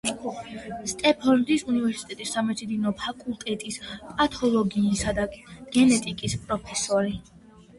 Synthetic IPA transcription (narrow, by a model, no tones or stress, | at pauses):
st̪ʼɛpʰɔnd̪isunivɛɾsi̥t̪ʼɛt̪ʼisːamɛsʰid̪inɔpʰakʼulˠt̪ʼɛt̪ʼispʼat̪ʰɔlˠɔɡinisad̪aɡ̥ɛnɛt̪ʼikʼispʼɾɔpʰɛsɔɾi